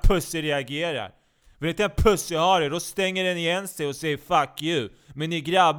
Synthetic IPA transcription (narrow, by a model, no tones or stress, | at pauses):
pʰɵsːəɾɛaɡeːɾa̰ɾ | fɛlɾɪnt̪əɛnpʰɵsːəhaɖɛɖɔst̪ɛŋːəɖɛnɪjɛnsɛjɔsɛjːəɾfakʰːjʉ̟ | mɛnːɪɡɾabː